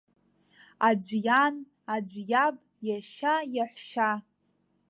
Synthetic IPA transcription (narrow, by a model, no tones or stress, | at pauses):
ad͡ʒʷjan | ad͡ʒʷjabʼ | jaʃajaħʷʃa